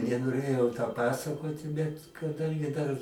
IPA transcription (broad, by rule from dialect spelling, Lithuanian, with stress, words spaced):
nʲɛnoːˈrʲeːjɛʊ toː ˈpɑːsɐkoːtʲɪ bʲɛt kɐˈdɐŋʲɡʲɪ dɐr